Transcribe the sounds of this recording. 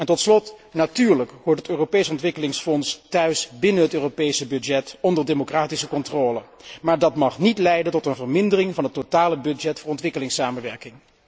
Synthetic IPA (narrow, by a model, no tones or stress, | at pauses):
ɛntɔtslɔtnatyːɹləkɦoːɹtətøːropejsəɔntʋɪkəlɪŋsfɔnstœɥsbɪnənɦətøːropejsəbɵd͡ʒɛtɔndəɹdemokraːtisəkɔntroːləmaːɹdɑtmɑχnitlɛjdəntɔtənvəɹmɪndərɪŋvɑnɦətːotaːləbɵdd͡ʒɛtfʊːɹɔntʋɪkəlɪŋsaːməʋɛɹkɪŋ